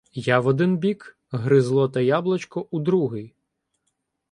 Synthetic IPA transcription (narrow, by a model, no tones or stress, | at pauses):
jaʋɔd̪ɪnbʲik | ɦɾɪzlˠɔt̪ɐjablˠɐt͡ʃkɔʔud̪ɾuɦɪj